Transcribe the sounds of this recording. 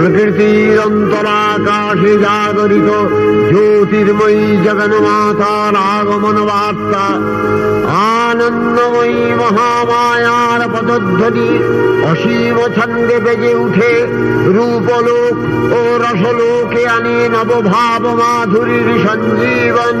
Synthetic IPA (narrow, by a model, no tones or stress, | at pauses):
pɾɐkɾit̪iɾɐnt̪ɐɾaːkaːʃed͡ʒaːɡɔɾit̪o | d͡ʒoːt̪iɾmɐid͡ʒɐɡɐnɐmaːt̪aːɾaːɡomɐnɐʋaːt̪ːa | aː | nɐnːɐmɐi | mɐɦaːmaːjaːɾɐpɐd̪ɔd̪ʱːɔni | ɐʃiːmɐt͡ʃʰɐnd̪eped͡ʒeuʈʰe | ɾuːpoloːk | oɾɐsoloːkeanenɐbobʱaːbɐmaːd̪ʱuɾiɾiʃɐɲd͡ʒiːʋɐn